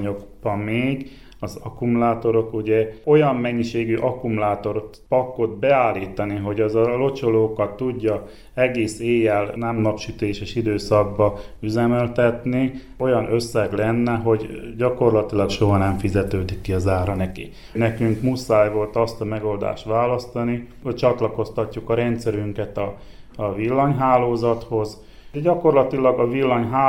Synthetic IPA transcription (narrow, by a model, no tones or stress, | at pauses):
ɲoɡb̥ɒmmeːɡ | ɒzɒkumulaːt̪o̞ɾo̞kuɟɛo̞jɒmːɛɲːiʃeːɡyʔɒkumulaːt̪o̞rt̪pɒkːo̞d̪̚bɛaːlːiːt̪ɒniɦo̞ɟɒzɒlo̞t͡ʃoloːkɒt̪ːuɟːɒ | ɛɡeːseːjɛlnɛmnɒpʃyt̪eːʃeːʃid̪øːsɒɡ̚bɒ | yzɛmɛlt̪ɛt̪ni | o̞jɒnøsːɛɡlɛnːɛɦo̞ɟɟɒko̞rlɒt̪ilɒkʃo̞ɦɒnɛɱfizɛt̪øːd̪ikːiɒzaːɾɒnɛkḭ | nɛkyŋkmusaːjʋo̞lt̪ɒst̪ɒmɛɡo̞ld̪a̰ːʃt̪ʋaːlɒst̪ɒnihoct͡ʃɒt̪lɒko̞st̪ɒcːukɒɾɛnt̪sɛɾyŋkɛt̪ɒ | ɒʋilːɒɲɦaːloːzɒt̪ho̞z | ɟɒko̞rlɒt̪ilɒɡɒvilːɒɲɦaː